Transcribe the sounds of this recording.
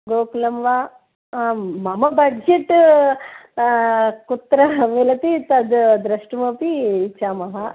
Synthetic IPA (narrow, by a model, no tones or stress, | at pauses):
ɡoːklɐmʋaː | mɐmɐbɐɖd͡ʒeʈː | kut̪ːɾɐmelɐt̪it̪ɐd̪d̪ɾɐʂʈmoːpiːt͡ʃːaːmɐɦɐ